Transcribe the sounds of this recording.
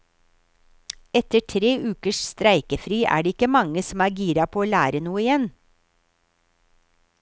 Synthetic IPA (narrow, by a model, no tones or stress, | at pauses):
ɛt̪əʈʰɾeːʔʉːkəʃst̪ɾæɪkəfɾyːʔæ̰ːɖeːɪkəmɑŋəsm̩æːɾɡiːɾɑpʰoːoːlæːɾənuːəɪjɛn